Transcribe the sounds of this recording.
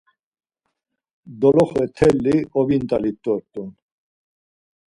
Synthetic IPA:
d̪ɔlɔχɛt̪ʰɛlːiʔɔbint̪ʼalit̪ːɔɾt̪un

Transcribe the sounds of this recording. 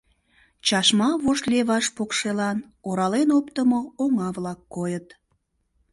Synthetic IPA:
t͡ɕɑʃmɑβoʃleβɑʃpokʃelɑn | oɾɑlenopt̪əmooŋɑβlɑkːojət̪

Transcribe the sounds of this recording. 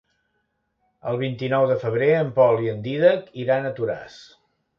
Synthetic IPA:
əlˠβ̞int̪inɔwðəfəβ̞ɾeəmpɔlˠiənd̪iðəkiɾanət̪uɾa̰s

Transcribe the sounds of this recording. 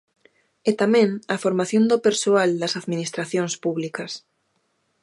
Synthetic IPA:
et̪amɛ̃ŋɐfoɾmaθjond̪ʊpeɾsoald̪ɐsaðminist̪ɾaθjõŋspuβlikɐs

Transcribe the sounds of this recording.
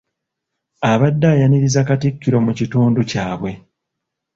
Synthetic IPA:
aβadːajaniɾizakatikːiɾo̞mucituːnducaːβwe̞

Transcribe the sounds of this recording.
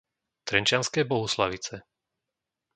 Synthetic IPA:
t̪ɾɛnt͡ʃɪanskɛːbɔɦuslaʋit͡sɛ

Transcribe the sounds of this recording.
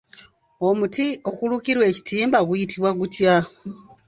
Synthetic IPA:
omutio̞kulukiɾwe̞ːci̥tʰiːmbaɡujitʰiβwaɡutja

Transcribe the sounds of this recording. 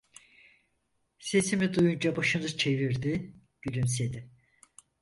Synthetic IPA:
se̞simid̪ujund͡ʒabaʃɯnɯt͡ʃʰe̞viɾd̪i | ɟ̥ylymsed̪i

